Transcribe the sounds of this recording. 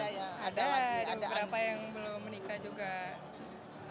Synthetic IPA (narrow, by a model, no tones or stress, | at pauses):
adadibəbəɾapajaŋbəlomːənikad͡ʒuɡa